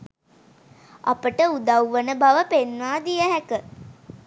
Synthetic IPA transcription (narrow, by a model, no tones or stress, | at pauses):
apəʈəud̪awʋənəbaʋəpenʋaːd̪ijəɦækə